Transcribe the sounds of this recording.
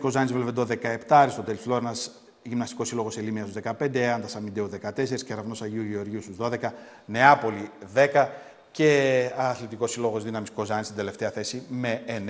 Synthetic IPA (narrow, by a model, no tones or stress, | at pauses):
ko̞zɐnizvlevend̪o̞ðe̞kɐe̞pt̪ɐɾist̪o̞t̪elisflo̞ɾnɐz | ʝimnɐst̪iko̞silo̞ɣo̞selimiɐst̪uzðekɐpe̞nd̪eɐnd̪ɐsɐmind̪euðe̞kɐt̪e̞se̞ɾisceɾɐvno̞sɐʝiuʝeoɾʝiust̪uzðo̞ðe̞kɐ | ne̞ɐpo̞liðe̞kɐ | ce̞ɐθlit̪iko̞silo̞ɣo̞zðinɐmisko̞zɐnist̪ind̪ele̞ft̪e̞ɐθe̞sime̞en